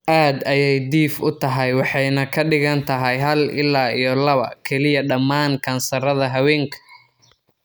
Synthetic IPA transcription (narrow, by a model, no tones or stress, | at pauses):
ʔaːd̪ɐjɛjd̪iːfʊt̪ʰɐɦɐjwɑħɑjnɐkʰɐɖɪɣɐnt̪ʰɐɦɛjɦɐlɪ̰lːaːijɔlɐβɐ̰kʰɛlɪjɐɖɐmːaːŋkʰɐnsɐɾɐðɐɦɐwɛːŋkʰɐ̥